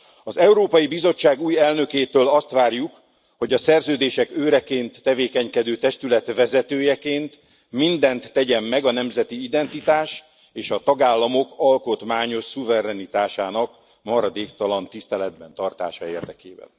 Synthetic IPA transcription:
ɒzɛuɾoːpɒjibizo̞t͡ʃːaːɡuːjɛlnø̞keːt̪øːlɒst̪ʋaːrjuk | ho̞ɟɒsɛrzøːd̪eːʃɛkøːɾɛkeːnt̪ːɛveːkɛɲkɛd̪øːt̪ɛʃt̪ylɛt̪ʋɛzɛt̪øːjɛkeːnt̪ | mind̪ɛnt̪ːɛɟɛmːɛɡɒnɛmzɛt̪iid̪ɛnt̪it̪aːʃ | eːʃɒt̪ɒɡaːlːɒmo̞kɒlko̞t̪maːɲo̞ʃsuvɛɾɛnit̪aːʃaːnɒk | mɒɾɒd̪eːkt̪ɒlɒnt̪ist̪ɛlɛd̪̚bɛnt̪ɒrt̪a̰ːʃɒeːrd̪ɛkḛːbɛ̰n

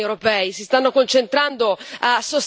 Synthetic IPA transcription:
iewɾopɛːisist̪anːokont͡ʃent̪ɾand̪oasos

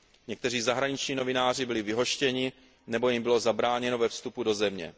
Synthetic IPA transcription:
ɲɛk̚t̪ɛr̝iːzaɦɾaɲɪt͡ʃɲiːno̞vɪnaːr̝ɪbɪlɪvɪɦo̞ʃcɛɲɪ | nɛbo̞jɪmbɪlo̞zabɾaːɲɛno̞vɛfst̪upudo̞zɛmɲɛ̰

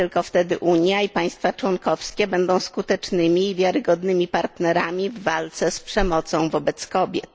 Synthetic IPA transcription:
ɘlkɔft̪ɛd̪ɘʔuɲjaipaj̃st̪fat͡ʂwɔnkɔfskʲɛbɛnd̪ɔ̃w̃skut̪ɛt͡ʂnɘmʲiːvʲjaɾɘɡɔd̪nɘmʲipaɾt̪nɛɾamʲivːalt̪sɛspʂɛmɔt̪sɔ̃w̃vɔbɛt̪skɔbʲjɛ̰t̪

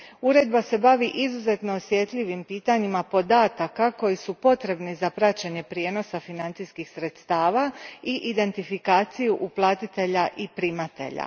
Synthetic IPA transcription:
uɾe̞d̪base̞baʋiʔizuze̞t̪no̞ːsʋje̞t̪ʎiʋimpiːt̪aɲimapo̞d̪aːt̪akako̞jisupo̞t̪ɾe̞bnizapɾat͡ɕeɲe̞pɾijeːno̞safinant̪siskixsɾe̞t̪st̪aːʋaiʔid̪e̞nt̪ifikaːt̪sijuʔuplˠaːt̪it̪e̞ʎaʔipɾimat̪e̞̰ʎa̰

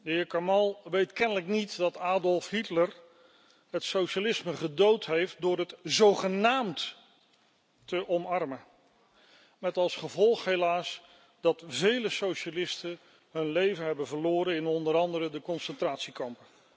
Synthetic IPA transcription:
dəɦɪːɹkamɑlˠʋejtkɛnələknitdɑtaːdɔlˠfɦitlər | ɦətsowʃalɪsməχədowtɦejft̚dʊːɹətzowχənaːmt | təʔɔmɑɹmə | mɛtɑlˠsχəvɔlˠχɦejlaːs | dɑtvejləsowʃalɪstə | ɦɵnlejvənɦɛbənvəɹlʊːɾəɪnɔndəɾɑndəɾədəkɔnsəntraːtsikɑmpə

